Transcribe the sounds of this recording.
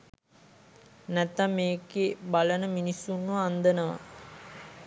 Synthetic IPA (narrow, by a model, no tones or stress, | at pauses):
nɛt̪ːamːeːkebalənəminisːunʋuand̪ənəʋa̰